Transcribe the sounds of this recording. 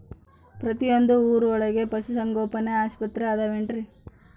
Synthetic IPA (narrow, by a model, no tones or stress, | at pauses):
pɾɐt̪ijo̞nd̪uuːɾuɔɭɐɡe̞pɐsusɐŋɡoːpɐneaːʃpɐt̪ɾeaːd̪ɐʋeɳʈɾi